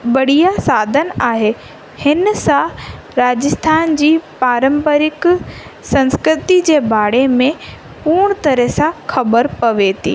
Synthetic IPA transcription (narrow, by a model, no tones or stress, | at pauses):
ʋɐɽ̤ijasaːd̪ʱən̆aːɦe | hɪnsã | ɾaːd͡ʑəst̪ʰaːnd͡ʑiːpaːɾə̃mpəɾɪksɐ̃nskɾɪt̪id͡ʑeːbʱaːɽemẽ | puːɽ̃t̪ɐɾəsãxɐbəɾpɐʋeːt̪ʰḭː